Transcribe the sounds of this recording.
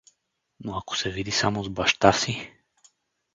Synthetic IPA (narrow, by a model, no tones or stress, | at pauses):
noako̥sɛvid̪isamozbaʃt̪asi